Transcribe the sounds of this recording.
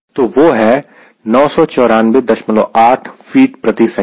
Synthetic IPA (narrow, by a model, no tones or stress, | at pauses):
t̪oːʋoːɦɛ | nɔːsɔt͡ʃɔːɾaːnʋed̪ɐɾʃmə̃nlo̰ʔaːʈʰfiːʈpɾɐt̪isɐ̃